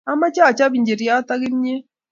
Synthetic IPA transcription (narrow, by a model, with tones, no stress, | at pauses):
a˦ma˦t͡ʃa˦˨t͡ʃa˦βi˨ɲd͡ʒe˨ɾi˨a˦ta˦ɣi˦mɲe˦